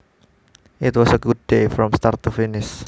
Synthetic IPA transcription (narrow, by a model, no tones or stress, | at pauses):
ʔɪt̪wɔsəɡud̚defɾɔmst̪art̪ːufinɪs